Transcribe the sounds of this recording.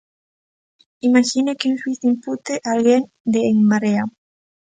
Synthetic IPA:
imaʃinekenswiθimput̪eʔalɣen | d̪eːŋmaɾea

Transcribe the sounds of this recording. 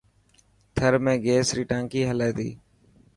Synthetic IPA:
t̪ʰəɾmẽːɡeːsɾiːʈãːŋkiːɦəlaeːt̪ḭː

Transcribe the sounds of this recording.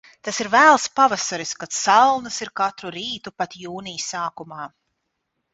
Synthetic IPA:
t̪asiɾvæːlˠspavasaɾiskat̪salˠnɐsiɾkat̪ɾuɾiːt̪upat̪juːnijsaːkumaː

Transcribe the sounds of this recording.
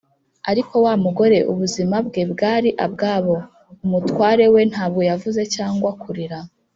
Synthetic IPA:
aɾikʰo̞waːmuɡo̞ɾe̞ʔṵβuzimabɡebɡaːɾiʔabɡaːβo̞ | umutwaːɾe̞we̞n̥haːb̚ɡo̞javuze̞caːŋɡwakʰuɾiɾa

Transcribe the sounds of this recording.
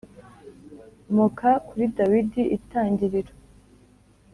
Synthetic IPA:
mokakuɾidawidiʔitaːɲɟiɾiɾo̥

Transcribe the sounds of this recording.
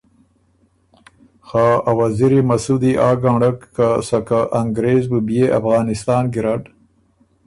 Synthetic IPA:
xaːawaziɾimasud̪iʔaːɡaɳɖakːasakaʔaŋɡɾeːzbubjeʔafɣɑːnɪst̪ɑːnɡiɾaʈ

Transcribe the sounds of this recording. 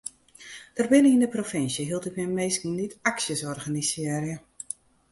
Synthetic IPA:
d̥ərbɪnəindəprofɪnsjəɦiəlˠtɪkmɛmejskn̩nitaksjəsɔrɣanisɪɾjə

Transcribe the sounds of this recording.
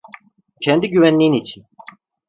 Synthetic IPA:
cʰɛnd̪iɟyvænlʲijinit͡ʃʰin

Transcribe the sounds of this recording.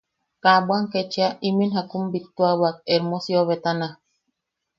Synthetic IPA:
kabwaŋket͡ʃiaiminɦakumbit̪ːuawak̚eɾmosjoβet̪ana

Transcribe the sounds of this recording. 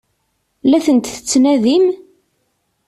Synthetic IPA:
læθənt̪θə̥t͡sːnæðim

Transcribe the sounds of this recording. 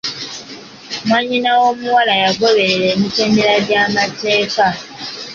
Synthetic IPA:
maɲinawo̞muwalajaɡoβe̞ɾeɾeːmiteːndeɾadamate̞ːka

